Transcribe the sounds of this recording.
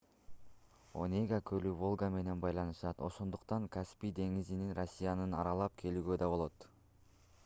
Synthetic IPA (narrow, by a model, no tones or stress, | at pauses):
o̞̰nʲeɡakʰølyvo̞lˠɡame̞ne̞nbɑjlˠɑnɯʃɑt̪o̞ʃo̞nd̪uqt̪ɑŋkaspid̪e̞ŋizininro̞sʲːijanɯnɑɾɑlˠɑp̚kʰe̞lyːɡød̪ɑbo̞lˠo̞t̪